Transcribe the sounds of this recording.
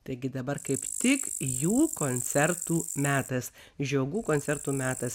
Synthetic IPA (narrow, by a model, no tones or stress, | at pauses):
t̪ɐɪɡʲɪd̪ɐbɐɾkɐɪpt̪ʲɪkjuːkoːnʲsʲɛɾt̪uːmʲæːt̪ɐs | ʒʲoːɡuːkoːnʲsʲɛɾt̪uːmʲæːt̪ɐs